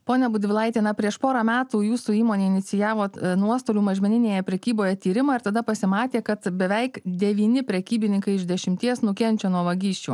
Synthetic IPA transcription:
poːnʲɛbʊd̪ʲʋʲɪlˠɐɪt̪ʲeːnɐpʲɾʲiɛʃpoːɾɑmʲæːt̪uːjuːsuːiːmoːnʲeːɪnʲɪsʲɪjæːʋoːnuɔst̪oːlʲuːmɐʒʲmʲɛnʲɪnʲeːjɛpʲɾʲɛkʲiːboːjɛt̪ʲiːɾʲɪmɑːɪɾt̪ɐd̪ɐpɐsʲɪmɑːt̪ʲeːkɐt̪bʲɛʋʲɛɪkd̪ʲɛʋʲiːnʲɪpʲɾʲɛkʲiːbʲɪnʲɪŋkɐɪɪʒd̪ʲɛʃʲɪmʲt̪ʲiɛsnʊkʲɛnʲt͡ʃʲoːnuɔʋɐɡʲiːʃʲt͡ʃʲuː

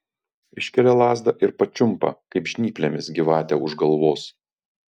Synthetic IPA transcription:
ɪʃʲkʲɛlʲɛlˠɑːzd̪ɐʔɪɾpɐt͡ʃʲʊmpɐ̰kɐɪpʒʲnʲiːpʲlʲemʲɪsɡʲɪʋɑːt̪ʲɛʊʒɡɐlˠʋoːs

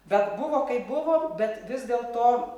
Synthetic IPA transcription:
ʋʲɛt̪bʊʋoːkɐɪpbʊʋoːmbʲɛt̪ʋʲɪzd̪ʲeːlˠt̪oː

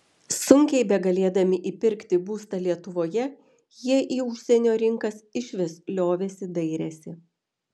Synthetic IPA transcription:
sʊŋʲkʲɛɪbʲɛɡɐlʲeːd̪ɐmʲɪʔiːpʲɪɾʲkt̪ʲɪbuːst̪ɐlʲiɛt̪ʊʋoːjɛ | jiɛʔiːʊʃʲsʲɛnʲoːɾʲɪŋkɐsɪʃʲʋʲɪslʲoːʋʲeːsʲɪd̪ɐɪɾʲɛsʲɪ

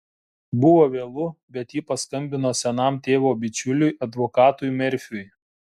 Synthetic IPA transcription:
bʊʋoːʋʲeːlˠʊbʲɛt̪jiːpɐskɐmʲbʲɪnoːsʲɛnɐmt̪ʲeːʋoːbʲɪt͡ʃʲʊlʲʊjʔɐd̪ʋoːkɑːt̪ʊjmʲɛɾʲfʲʊj

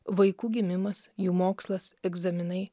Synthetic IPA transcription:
ʋɐɪkuːɡʲɪmʲɪmɐsjuːmoːkslˠɐsɛɡzɐmʲɪnɐɪ

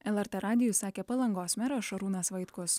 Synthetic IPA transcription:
ɛlˠɛɾʲt̪ɛɾʔɑːd̪ʲɪjusɑːkʲeːpɐlˠɐŋɡoːsmʲɛɾoːʃɐɾuːnɐsʋɐɪt̪kʊs

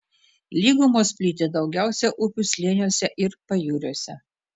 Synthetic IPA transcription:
lʲiːɡumoːsʲpʲlʲiːt̪ʲed̪ɒʊɡʲæˑʊsʲɛʔʊpʲʊsʲlʲiːnʲuɔsʲɛʔɪɾpɐjuːɾʲuɔsʲɛ

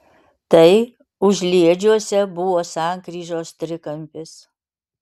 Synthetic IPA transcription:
t̪ɐɪ | ʊʒʲlʲiɛd͡ʒʲuɔsʲɛbʊʋoːsɑˑŋkɾʲiːʒoːst̪ʲɾʲɪkɐmʲpʲɪs

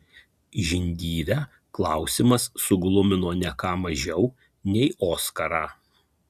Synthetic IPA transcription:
ʒʲɪnʲd̪ʲiːɾʲæː | klˠɑˑʊsʲimɐsːʊɡlˠʊmʲɪnoːnʲɛkɑːmɐʒʲɛʊ | nʲɛɪoːskɐɾɑː

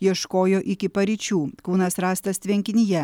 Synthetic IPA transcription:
jiɛʃkoːjoːʔɪkʲɪpɐɾʲɪt͡ʃʲuːkuːnɐsɾɑːst̪ɐst̪ʲʋʲɛŋʲkʲɪnʲɪjɛ

